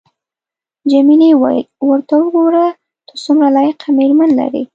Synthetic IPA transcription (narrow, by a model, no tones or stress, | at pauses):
d͡ʒaminiwwəɾt̪awəɡoɾa | t̪osumɾalɑjaqameɾmanla̰ɾḭ